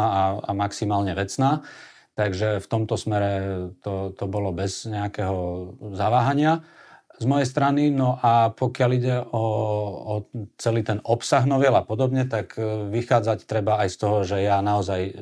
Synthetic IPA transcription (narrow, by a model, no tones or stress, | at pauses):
aa̰maksimaːlɲɛʋɛt͡snaː | t̪aɡʒɛft̪ɔmt̪ɔsmɛɾɛt̪ɔt̪ɔbɔlɔbɛz̥ɲɛakɛɦɔzaʋaːɦaɲɪazmɔjɛjs̬t̪ɾaninɔʔapɔkɪaliɟɛɔː | t͡sɛliːt̪ɛnɔpsaɣnɔʋɪɛlapɔd̪ɔbɲɛt̪akʋixaːd͡zact̪ɾɛbaːjst̪ɔɦɔʒɛjanaɔzaj